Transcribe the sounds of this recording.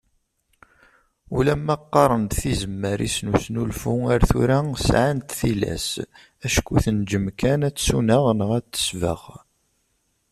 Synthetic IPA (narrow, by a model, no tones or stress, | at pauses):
ulæmːæqːɑɾˤənd̪θizəmːəɾḭsnusnulfuaɾθṵɾæsʕant̪θilæ̰s | æʃkuθənd͡ʒəmkænæt͡sːsunəʁnəʁæt͡sːə̥svə̰ʁ